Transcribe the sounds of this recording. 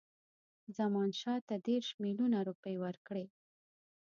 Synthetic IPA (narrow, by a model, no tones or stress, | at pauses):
zamɑnʃɑt̪ad̪eɾʃmilunaɾupəjwəɾkɽe